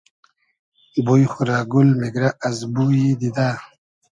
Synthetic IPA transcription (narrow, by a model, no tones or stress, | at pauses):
ibojxuɾaːɡulmeɡɾaʔazbujid̪id̪a